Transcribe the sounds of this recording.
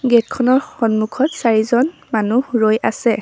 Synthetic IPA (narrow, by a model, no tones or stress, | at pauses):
ɡet̚kʰɔnɔɹxɔnmukʰɔtsaɹizɔnmanuɹojʔa̰sɛ